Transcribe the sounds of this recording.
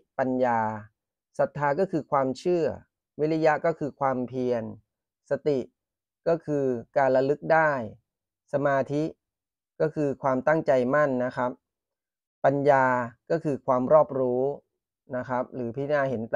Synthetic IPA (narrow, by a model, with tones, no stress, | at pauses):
pa˧njaː˧ | sa˨˩t̪ʰːaː˧kɔː˥˩kʰɯː˧kʰwaː˧mt͡ɕʰɯ˥˩ɐ | wi˦˥la˦˧˥ja˦˥kɔː˥˩kʰɯː˧kʰwaː˧mpʰi˧ən | sa˧t̪i˨˩ʔ | kɔː˥˩kʰɯː˧kaː˧nla˧lɯ˦˥k̚daː˥˩j | sa˧maː˧t̪ʰi˦˥ | kɔː˥˩kʰɯː˧kʰwaː˧mt̪a˥˩ŋt͡ɕa˧jma˥˩nːa˦˥kʰɾa˦˥p̚ | pa˧njaː˧kɔː˥˩kʰɯː˧kʰwaː˧mɾɔː˥˩p̚ɾuː˦˥ | na˦˥kʰɾa˦˥p̚ɾɯː˩˦pʰiː˦˥˩naː˥˩he˩˦n